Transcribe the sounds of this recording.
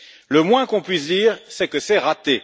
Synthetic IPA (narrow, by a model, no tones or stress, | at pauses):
ləmwɛ̃kɔ̃pɥis̬d̪iːʁsɛkəsɛʁat̪e